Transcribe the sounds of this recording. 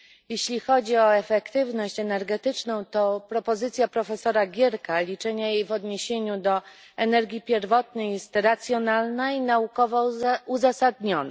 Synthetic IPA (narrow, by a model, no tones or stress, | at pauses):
jeɕlʲixɔd͡ʑiɔɛfɛkt̪ɘvnɔɕt͡ɕɛnɛɾɡɛt̪ɘt͡ʂnɔ̃w̃t̪ɔpɾɔpɔzɘt̪sʲjapɾɔfɛsɔɾaɡʲjɛɾkalʲit͡ʂɛɲajejvɔd̪ɲeɕeɲud̪ɔ | ɛnɛɾɡʲipʲjɛɾvɔt̪̚nɛjɛst̪ɾat̪sʲjɔnalnainaukɔvɔuzasad̪̚ɲɔna